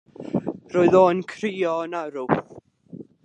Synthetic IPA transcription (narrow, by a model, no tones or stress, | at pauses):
roːɨðoːnkʰriːɔnaɾʊ